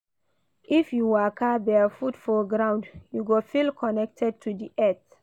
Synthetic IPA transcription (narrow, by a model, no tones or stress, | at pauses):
ifjuwakʰabɛafudfɔɡɹãʊ̃ndjuɡofilkʰɔnɛk̚tʰɛd̚tʰudiʔɛt